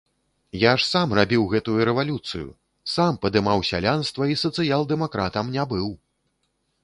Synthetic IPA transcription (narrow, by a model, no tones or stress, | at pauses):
jaʂsamrabʲiwɣɛt̪ujuɾɛvalʲut̪sɨjṵ | sampɐd̪ɨmawsʲa̰lʲanst̪vɐisɐt̪sɨjalˠd̪ɛmakɾat̪ɐmnʲabɨw